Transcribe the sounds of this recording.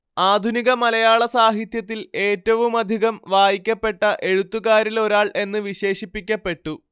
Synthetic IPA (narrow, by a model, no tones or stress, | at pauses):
aːd̪ʱuniɣɐmɐlɐjaːɭɐsaːɦit̪jɐt̪̬ːile̞ːtːɐʋumɐd̪ʱiɣɐmʋaːjikʲːɐpːe̞ʈːɐʔe̞ɻut̪ːuɣaːɾilo̞ɾaːɭʔe̞nːɨʋiɕe̞ːɕipːikʲːɐpːe̞ʈːu